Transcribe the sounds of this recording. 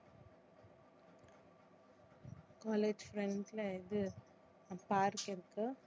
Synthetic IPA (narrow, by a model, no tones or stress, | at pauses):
kaːleːd͡ʒfɾɛɳɖlɐɪðɯ | paːɾkɪɾɯkːɯ